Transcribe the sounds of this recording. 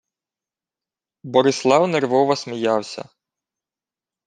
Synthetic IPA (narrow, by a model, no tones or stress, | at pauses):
bɔɾɪslˠɑwnerʋɔʋɐsmijɑwsʲɐ̰